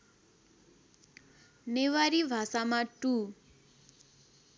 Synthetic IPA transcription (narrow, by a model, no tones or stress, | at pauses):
neʋaɾivʱasamatu